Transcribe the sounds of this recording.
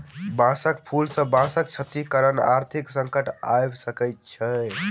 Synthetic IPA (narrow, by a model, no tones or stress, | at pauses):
bãsəkpʰulsə̃bãsəkt͡ʃʰət̪ikəɾəna̰ɾt̪ʰiksə̃ŋkəʈa̰jbsəkəjt̪̚t͡ʃʰɛ